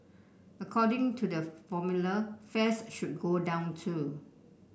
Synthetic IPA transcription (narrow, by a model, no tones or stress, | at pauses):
əkʰɔdɪ̃ŋtʰudəfɔmjuləfɛsʃut̚ɡodãʊ̃ntʰu